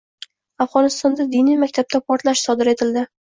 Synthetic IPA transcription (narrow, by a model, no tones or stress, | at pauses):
afʁɒnɪst̪ɒnd̪ad̪inijmakʲt̪ʰab̚t̪ʰapʰɒɾt̪laʃsɒd̪ɪɾe̞t̪ʰɪld̪ɪ